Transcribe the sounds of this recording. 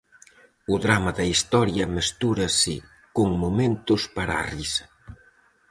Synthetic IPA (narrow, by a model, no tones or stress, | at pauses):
ʊðɾamɐðɐist̪ɔɾjɐmest̪uɾɐsɪ̰ | kʊŋmomẽnt̪ʊspaɾarisɐ̥